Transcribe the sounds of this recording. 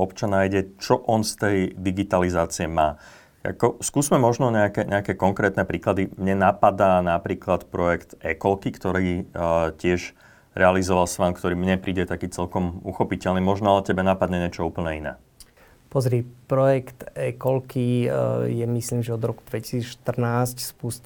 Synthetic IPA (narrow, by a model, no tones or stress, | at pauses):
ɔpt͡ʃanːaːjɟɛt͡ʃɔʔɔnst̪ɛjd̪iɡit̪alizaːt͡siɛmaː | a̰kɔskuːzmɛmɔʒnɔɲɛakɛɲʔɛakɛkɔŋkɾɛːt̪nɛpɾiːklad̪imɲɛnapad̪aːnapɾiːklat̪pɾɔjɛkt̪ɛkɔlkikt̪ɔɾiːcɪɛʒ | ɾɛalizɔʋalsʋaːmkt̪ɔɾiːmɲɛpɾiːɟɛt̪akiːt͡sɛlkɔmuxɔpicɛlnimɔʒnɔalɛcɛbɛnapad̪ɲɛɲɪɛt͡ʃɔuːpl̩ɲɛinɛ̰ː | pɔzɾipɾɔjɛkt̪ɛkɔlkijɛmisliːmʒɛɔd̪ɾɔku̥d̪ʋɛci̥siːt͡sʃt̪r̩naːscspus